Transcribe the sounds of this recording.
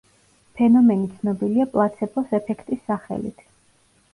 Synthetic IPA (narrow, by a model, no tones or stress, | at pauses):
pʰɛnɔmɛnit̪sʰnɔbiliapʼlˠat̪sʰɛpʰɔsɛpʰɛkʰt̪ʼisːaχɛ̰lḭt̪ʰ